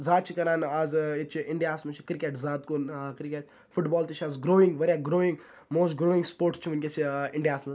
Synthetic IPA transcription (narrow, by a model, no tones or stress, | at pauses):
zaːt̪̚t͡ʃʰikɐɾãːnaːzit͡ʃʰiɪɳɖijaːsmɐt͡ʃʰikɾikeʈzaːt̪konkɾikʲeʈ | fʊʈbɔːlt̪it͡ʃʰaːzɡɾoːɪ̃ŋɡʋɐɾjaɡɾoːɪ̃ŋɡ | moːsʈɡɾoːɪ̃ŋɡspoːɾʈst͡ʃʰiʋɐnʲkʲet͡ʃʰiɪɳɖijaːsmɐ